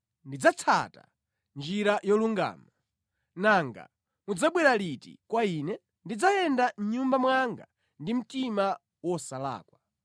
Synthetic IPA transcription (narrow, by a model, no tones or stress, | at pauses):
ndid͡zat͡sʰa̰ta̰ | nd͡ʒiɾajɔluŋɡa̰ːma | naŋɡa̰ | mud͡zaɓwɛɾalitḭkwaiːnɛ | ndid͡zajɛndan̩ɲumbamwaŋɡa̰ | ndim̩tima | wɔsala̰ːkwa